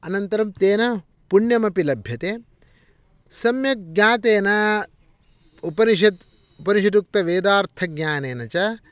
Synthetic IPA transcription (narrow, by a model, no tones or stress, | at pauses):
ɐnɐnt̪ɐɾɐmt̪eːnɐ | puɳjɐmɐpilɐbʱjɐt̪eː | sɐmjɐɡɲaːt̪eːnɐ | upɐniʃɐd̪ | upɐniʃɐd̪uk̚t̪ɐʋeːd̪aːɾt̪ʰɐɡɲʲaːneːnɐt͡ʃɐ